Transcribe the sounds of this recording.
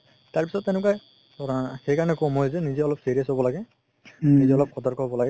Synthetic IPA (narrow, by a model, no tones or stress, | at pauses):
t̪aɹpisɔt̪ːenʊ̃k̬a | ɔhejkaɹɔnɛkɔmɦojzɛnizeɔlɔbsiɾiasɦobɔlaɡɛ | nizeɔlɔb̚kʰɔt̪ɔɾkɔɦbɔlaɡɛ